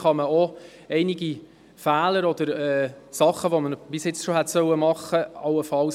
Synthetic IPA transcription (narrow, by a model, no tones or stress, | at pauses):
χɑməo | ɛɪniɡi | fæːləɾɔd̪̥əɾɛːsɑχːəʋoməbɪsjɪt͡sʃoɦɛt̪sœwəmɑχːəɑwəfɑl